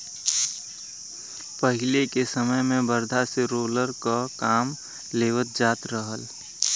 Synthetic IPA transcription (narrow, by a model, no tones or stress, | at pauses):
pəɦɪlekesəməjmẽbəɾd̪ʱaseɾoːləɾkakaːm | leːʋət̪̚d͡ʒaːt̪ɾəɦəl